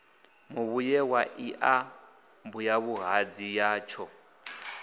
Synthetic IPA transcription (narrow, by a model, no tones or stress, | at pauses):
muβujɛwaʔiʔa | mbujaβuɦad͡zijaːt͡ʃʰɔ